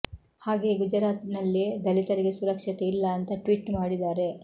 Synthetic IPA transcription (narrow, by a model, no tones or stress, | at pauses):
haːɡe̞ːɡud͡ʒɐɾaːt̪nɐlːed̪ɐlit̪ɐɾiɡe̞suɾɐkʂɐt̪e̞ilːɐːnt̪ɐʈʋiːʈmaːɽid̪aːɾe̞